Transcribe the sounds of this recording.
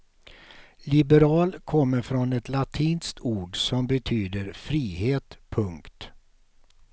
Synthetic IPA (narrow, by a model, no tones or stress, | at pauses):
lɪbɛɾɑːlkʰɔmːəɾfɾɔnɛt̪lat̪ʰiːnst̪ʰuːɖsɔmbɛt̪ʰyːd̪əɾfɾiːheːt̪pʰɵŋkt̪